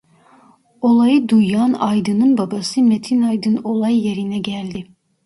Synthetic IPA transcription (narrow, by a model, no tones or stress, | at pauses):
olˠɑjɯd̪ujːɑnɑjd̪ɯnɯnbɑbɑsɯmet̪ʰinɑjd̪ɯnolˠɑjːeɾinɛɟælʲd̪i